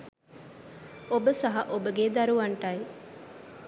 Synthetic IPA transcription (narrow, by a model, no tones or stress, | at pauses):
obəsɐɦɐʔobəɡed̪ɐɾuʋɐɳʈai